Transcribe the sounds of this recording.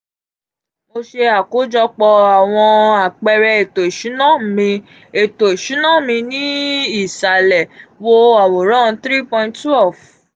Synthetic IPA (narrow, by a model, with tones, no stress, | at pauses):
mo˧ʃe˧a˨ko˨˦d͡ʒɔ˧k͡pɔ˧a˨w̃ɔ̃˧a˨k͡pɛ˧ɾɛ˧e˨to˨i˨ʃũ˨˦nã˦˨mĩ˧ | e˨to˨e˨ʃũ˨˦nã˦˨mĩ˧nĩ˦i˦˨sa˨lɛ˨wo˧a˨wo˨ɾã˦˨˧t̪ɾi˦pɔ̃˧ĩ˦nttwɛ˦˨f